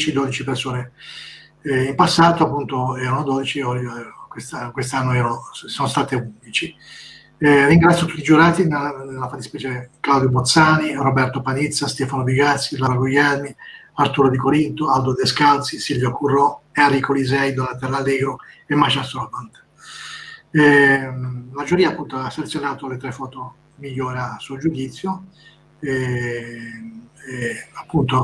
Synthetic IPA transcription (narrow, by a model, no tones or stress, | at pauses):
t͡ʃid̪od̪it͡ʃipersoːne | impasːaːt̪oapːunt̪oɛːɾanod̪oːd̪it͡ʃiɔkwest̪akwest̪anːoɛːɾonosoːnost̪aːt̪eund̪it͡ʃi | riŋɡɾat̪sjot̪u̥t̪ːid͡ʒuɾaːt̪inelelafat̪ːi̥spɛːt͡ʃɛɾeklawd̪jobot̪saːnirobɛrt̪opanit̪sːast̪ɛfanobiɡat̪sːilaɾaɡujɛɾmi | aɾt̪uɾod̪ikoɾint̪oawd̪od̪eskalt̪sisilvjokurːɔeaɾikolizɛjd̪olat̪ɛrːalːɛːɡɾoɛmːaʃast̪ɔbant̪ | lad͡ʒuɾiːapːunt̪oasːelt̪sjonaːt̪oalet̪ɾɛfɔːt̪o | miʎːɔːɾasuːd͡ʒud̪it̪sːjo | ɛ | apːunt̪o